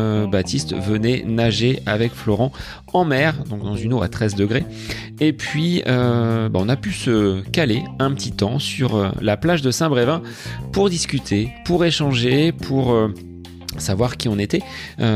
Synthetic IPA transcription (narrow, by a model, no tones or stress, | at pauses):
bat̪ist̪vənɛnaʒeavɛkflɔʁɑ̃ | ɑ̃mɛʁd̪ɔ̃k̚d̪ɑ̃zynoa̰t̪χɛzd̪əɡʁe | epɥiøbaɔ̃napysəkaleɛ̃pət̪ʰit̪ɑ̃syʁø̰laplaʒd̪əsɛ̃bʁevɛ̃ | puʁd̪iskʲyt̪ʰepuʁeʃɑ̃ʒepʰuʁø | savwaʁkʲiɔ̃net̪ɛø